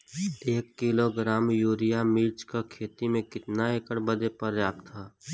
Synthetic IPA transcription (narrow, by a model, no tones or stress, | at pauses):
eːkːiloɡɾaːmjuːɾɪjamiːt͡ʃkakʰeːt̪imẽkɪt̪naeːkəɽbəd̪epɐɾjaːb̚t̪ʰːaː